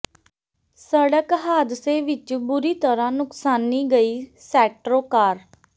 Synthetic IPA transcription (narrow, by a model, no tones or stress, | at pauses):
səɽəkɦaːd̪seːʋɪt͡ʃbʊɾiːt̪əɾãːnʊksaːnːiːɡəiːsɛːʈɾoːkaːɾ